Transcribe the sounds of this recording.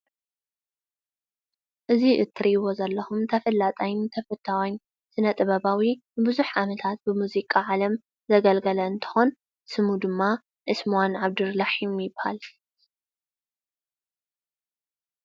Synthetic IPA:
ʔɨziʔɨt̪ʰːɨɾijβozɐlːɐxumt̪ʰɐfɐlːat̪ʼajnt̪ʰɐfɨt̪ʰːawan | sɨnɐt̪ʼɨβɐβawibɨbɨzuħʕamɐt̪ʰat̪̚bɨmuzikʼaʕalɐm | zɐɡɐlɡɐlɐɨnt̪ʰɨ̥xon | sɨmud̪ɨmːa | ʔɨsmuwanʕaβd̪ɨɾlaħimjɪbha̰l

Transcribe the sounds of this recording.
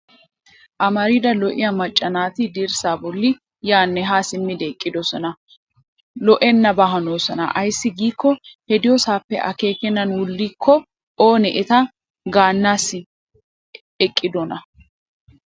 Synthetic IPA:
ʔɐmɐɾid̪ɐlɔʔɪ̰jɐmɐt͡ʃʼːɐnaːt̪ɪd̪iːɾsaːbɔlːɪ | jaːnːɛɦaːsɪmːɪd̪ɛkʼːɪd̪ɔsɔnɐ | lɔʔɛnːɐbɐɦɐnoːsɔnɐ̰ʔɐjsːɪɡiːkːɔhɛd̪ɪjɔsaːpːɛ̰ʔɐ̰ke̞ːkɛnːɐnwʊlːiːkʰːɔ | ʔoːnɛʔɛt̪ɐ | ɡaːnːaːsːɪ | ɛkʼːɪd̪ɔnɐ

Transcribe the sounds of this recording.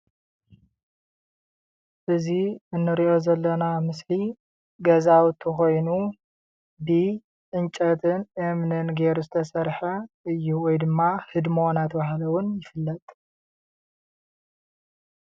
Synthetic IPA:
ʔɨziɨnːɨɾiʔo̞zɐlːɐnamɨsli | ɡɐzawt̪ʰːɨxo̞jnu | bi | ʔɨnt͡ʃʼɐt̪ʰɨnʔemnɨnɡeɾuzɨt̪ʰɐsɐɾħɐʔɨjːuwɔjd̪ɨmːahɨd̪monat̪ʰɐbahlɐwʊnjɪfɨlːɐt̪ʼ

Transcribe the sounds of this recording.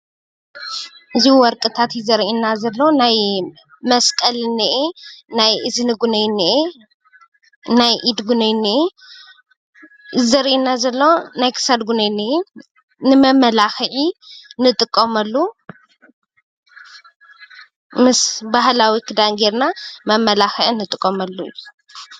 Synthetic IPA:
ʔɨziwɔɾkʼɨt̪ʰat̪jɪzɐɾʔinazɐlːonaj | mɐskʼɐlnːɨʔenajʔɨzɨnɨɡunɐjnːɨʔe | najʔid̪ɡunɐjnːiʔi | zɐɾʔinazɐlːonajkʰɨ̥sad̪ɡunɐjniʔi | nɨmɐmɐlaxɨʕinɨt̪ʼɨkʼːomɐlːu | mɨsbahlawikʰɨd̪aŋɡeɾnamɐmɐlaxɨʕinɨt̪ʼɨkʼːomɐlːṵjːu

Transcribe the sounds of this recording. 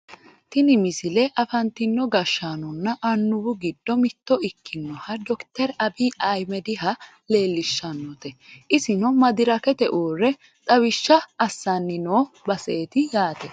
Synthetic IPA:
t̪ɪnɪmɪsɪlɛʔɐfɐnt̪ɪnːɔɡɐʃːanɔnːɐʔɐnːʊbʊɡɪd̪ːɔmɪt̪ːɔɪkːɪnːɔhɐd̪ɔkt̪ɛɾɐbiːɐjmɛd̪ɪɦɐ | le̞ːlːɪʃːɐnːɔt̪ɛʔɪsɪnɔmɐd̪ɪɾɐkɛt̪ɛʔoːrːɛ | t̪ʼɐwɪʃːɐɐsːɐnːɪnoːbɐseːt̪ɪjaːt̪ɛ

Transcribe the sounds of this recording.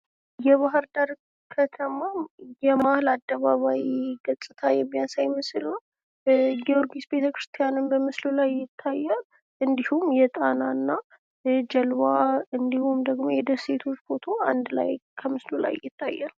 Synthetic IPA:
jɛβaɦɨɾd̪aɾ | kʰət̪ʰəmajɛmahlad̪ːəβaβawiɡəsʼɨt̪ʰajɛmːijansajmɨsɨlnəw | ɡioɾɡisbet̪ʰəkɾɨst̪ʰijanɨnbəmɨslulajːɪt̪ʰːajːa | ɨnd̪ihumjɛt̪ʼanaɨnːa | d͡ʒɛlwaɨnd̪ihumd̪əɡmo̞jɛd̪əsːet̪ʰo̞t͡ʃːbʰo̞t̪ʰo̞and̪la̰jkʰəmɨslula̰jːɪt̪ʰːa̰jːal

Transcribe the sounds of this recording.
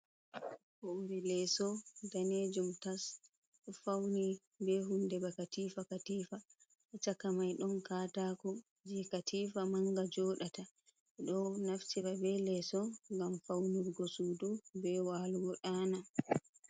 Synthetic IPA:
bɔmbɛlɛsɔdaned͡ʒumtas | fawni | bɛɦundɛbakatiːfakatiːfa | ʔɛt͡ʃakːamajɗɔnkaːtakɔ | d͡ʒɛkatʰifamaŋɡad͡ʒɔːɗata | ɛɗɔnaftiɾabɛlɛsɔŋɡamfawniɾɡɔsudubɛwaːluɡɔɗana

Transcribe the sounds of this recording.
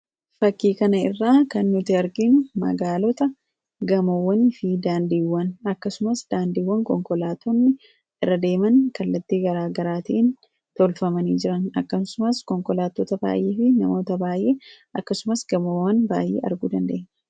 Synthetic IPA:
fɐkːiːkɐnɐɪrːaːkɐnːʊt̪ɪɐɾɡɪnmɐ̰ɡaːlɔt̪ɐ | ɡɐmowːɐnɪfɪd̪aːnd̪iːwːɐnɐkːɐsʊmɐsd̪aːnd̪iːwːɐŋkɔŋkɔlaːt̪ɔnːɪ | ɪrːɐd̪e̞ːmɐnkɐlːɐt̪ːiːɡɐɾaːɡɐɾaːt̪iʔn | t̪ɔlfɐmɐniːd͡ʒɪɾɐnɐkːɐsʊmɐskɔŋkɔlaːt̪ːɔt̪ɐba̰ːjʔeːfɪnɐmo̞ːt̪ɐbaːjʔeːʔɐkːɐsʊmɐsɡ̥ɐmoːwːɐnba̰ːjḛːʔɐ̰ɾɡud̪ɐnd̪e̞̰ːɲːɐ̥

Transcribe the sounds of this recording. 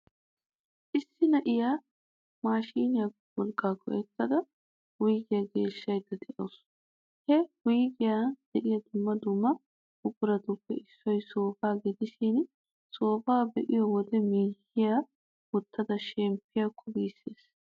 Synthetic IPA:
ʔɪsːɪnɐʔɪjaː | maːʃiːnɪjak | wɔlkʼːaːkːɔ̰ʔɛt̪ːɐd̪ɐ | wʊjɡɪjaɡe̞ːʃːɐjd̪ɐd̪ɛʔoːs | hɛwʊjɡɪjaːd̪̥ɛʔɪjɐd̪ʊmːɐd̪ʊmːɐ | ʊɡʊɾɐt̪ʊpːɛɪsːɔjso̞ːfaːɡɪd̪ɪʃiːn | so̞ːfaːbɛʔɪjɔwɔd̪ɛmiːhɪja | wɔt̪ːɐd̪ɐʃɛmpːɪjakʰːɔbiːsːeːs

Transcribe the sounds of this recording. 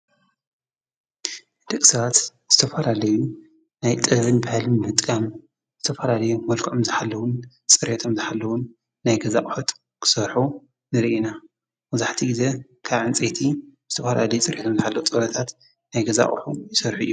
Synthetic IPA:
d̪ɨkʼsɐβat̪z̥ɨt̪ʰɐfɐlalɐju | najt̪ʼɐβɨnbahlɨnmɨt̪ʼkʼɐm | z̥ɨt̪ʰɐfɐlalɐjumɐlkʰʔomzɨħalːɐwun | t͡sʼɨɾet̪ʰomzɨħalːɐwunː | ajɡɐza̰χʼħot̪ | kʰɨ̥sɐɾħu | nɨɾiʔina | mɐzaħt̪ʰiɡize | kʰaβʕɨnt͡sʼet̪ʰizɨt̪ʰɐfɐlalɐjut͡sʼɨɾʔet̪ʰomzɨħalːɐwut͡sʼɐɾɐt̪ʰat̪ | najɡɐza̰χʼħujɪsɐɾħuɨjːu

